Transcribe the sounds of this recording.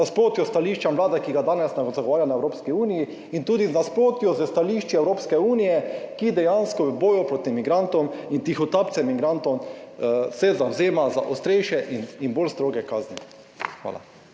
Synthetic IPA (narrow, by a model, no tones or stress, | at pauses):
aspɾoːt̪jɔst̪aliːʃt͡ʃamlaːd̪akiɡad̪aːnɛsnaɡzaɡɔʋaːɾjanaɛwɾoːpskiuːniji | int̪uːd̪iznaspɾoːt̪jɔzəst̪aliːʃt͡ʃiɛwɾoːpskɛuːnijɛkid̪ɛjanskɔʋɛbɔːjupɾoːt̪imiɡɾant̪ɔmint̪ixɔt̪apt̪sɛmiɡɾant̪ɔm | sɛzawzeːmaza̰ʔost̪ɾɛjʃɛʔininbolst̪ɾoːɡɛkaːznɛ | xʋa̰ːla̰